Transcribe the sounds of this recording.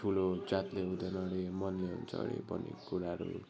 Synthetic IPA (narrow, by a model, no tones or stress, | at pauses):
ʈʰulod͡zat̪leɦud̪ʌnʌɽemʌnleɦṵnt͡sʰʌ̰ɽḛbʌ̰nḛkuɾaɾṵ